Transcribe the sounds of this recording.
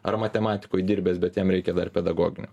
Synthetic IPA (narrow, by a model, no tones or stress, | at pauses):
ɐ̰rmɐt̪ʲɛmɑːt̪ʲɪ̥koːjd̪ʲiːɾʲbʲeːsbʲɛt̪jɛmɾʲɛɪkʲɛd̪ɐrpʲɛd̪ɐɡoːɡʲɪnʲʊ